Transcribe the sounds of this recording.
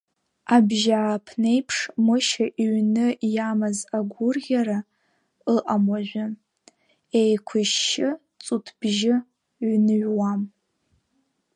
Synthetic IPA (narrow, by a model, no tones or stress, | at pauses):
abʒaːpʰne̞jpʰʂmɨʃaʔiɥnɨjamɨzaɡʷʊrɡʲaɾa | əʔamaʒᶣʷʊ | ejkʷʰʊʃːɪ | t͡sʼutʰb̥ʒɪ | ɥnɨɥwam